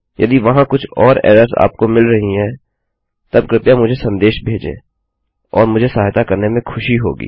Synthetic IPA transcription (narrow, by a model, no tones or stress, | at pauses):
jʔɐ̰d̪iʋɐɦãkʊt͡ʃʰɔːɾɛ̰ːɾəɾza̰ːp̚komɪlɾɐɦiɦɛ̃ː | t̪ɐb̚kɾɪp̪jamʊd͡ʒʱesɐ̃nd̪eːʃbʱeːd͡ʒḛ̃ː | ɔːɾmʊd͡ʒʱesaːɦt̪akɐɾnemẽxʰʊʃiɦo̰ːɡḭː